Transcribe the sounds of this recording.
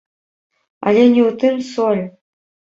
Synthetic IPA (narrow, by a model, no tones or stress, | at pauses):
a̰lʲenʲiut̪ɨmsolʲ